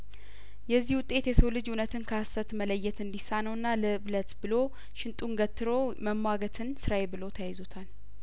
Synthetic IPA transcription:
jɛzːihwʊt̪ʼːe̞t̪jɛsəwlɨd͡ʒunət̪ʰɨnkʰəasət̪mələjːɛt̪ɨnd̪isanəwɨnːalɨβlət̪bɨlo̞ | ʃɪnt̪ʼunɡət̪ʰːɨɾo̞məmːaɡət̪ʰɨnsɨɾaebɨlo̞t̪ʰəjajizot̪ʰal

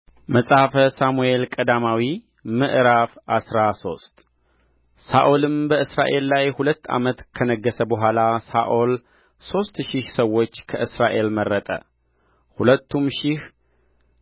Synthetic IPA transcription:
məsʼafəsamue̞lkʼəd̪amawi | mɨʔɾafʔasɾaso̞̰st̪ʼ | sa̰ʔolɨmbəɨsɾa̰ʔe̞lːajhulət̪ːa̰mət̪kʰənəɡːəsəbəɦʷalasa̰ʔol | so̞st̪ʃɪhsəwːo̞t͡ʃːkʰəʔɨsɾaʔe̞lmərːət̪ʼə̰ | hulət̪ːumʃɪh

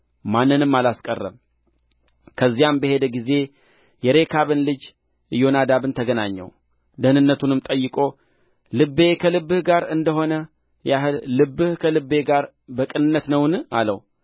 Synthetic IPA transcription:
manːɨnɨmːalaskʼərːə̰m | kʰəzːijambəhe̞d̪əɡize̞ | jɛɾe̞kʰaβɨnlɨd͡ʒ | jo̞nad̪aβɨnt̪ʰəɡənaɲːɛ̰w | d̪əhnɨnːət̪ʰunɨmt̪ʼəjːɨkʼo̞ | lɨbe̞kʰəlɨbːɨhɡaɾɨnd̪əɦo̞nə | jaɦɨlːɨbːɨhkʰəlɨbːe̞ɡaɾ | bəkʼɨnɨnːət̪nəwna̰lə̰w

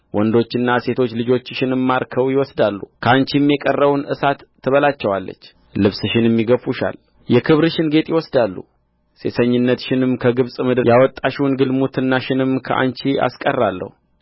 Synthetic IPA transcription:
wʔɔnd̪o̞t͡ʃːɨnːase̞t̪ʰo̞t͡ʃːlɨd͡ʒo̞t͡ʃːʃɪnɨmːaɾkʰəwjɪwɔsd̪alːṵkʰəant͡ʃimjɛkʼərːəwnʔɨsat̪ʰːɨβəlat͡ʃːɛwalːə̰t͡ʃː | lɨβsʃɪnjɛmːiɡəfuʃa̰l | jɛkʰɨβɾɨʃɪnɡe̞t̪ʼjɪwɔsd̪alːṵ | se̞̰səɲːɪnːət̪ʃɪnɨmkʰəɡɨβsʼmɨd̪jawɔt̪ʼːaʃuwnɡɨlmut̪ʰɨnːaʃɪnɨmkʰə̰ʔa̰nt͡ʃia̰skʼərːalːə̰hu

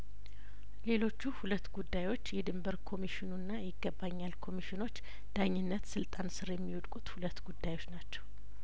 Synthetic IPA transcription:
le̞lo̞t͡ʃːuhulət̪ːɡud̪ːajwo̞t͡ʃːjɛd̪ɨmbəɾkʰo̞miʃɪnunːajɪɡːəbaɲːalkʰo̞miʃɪno̞t͡ʃː | d̪̥aɲːɪnːət̪sɨlt̪ʼansɨɾjɛmːiwud̪kʼut̪hulət̪ːɡud̪ːajwo̞t͡ʃːnat͡ʃːɛw

